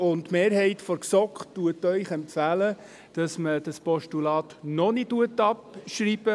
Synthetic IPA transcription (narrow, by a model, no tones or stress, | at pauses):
ʊntmeːɾɦɛɪtfɔɾksɔkχtuətœʏχɛmpfæːlə | d̥ɑsməd̥ɑspɔʃtulɑːtnɔnituətːɑpʃriːb̥ə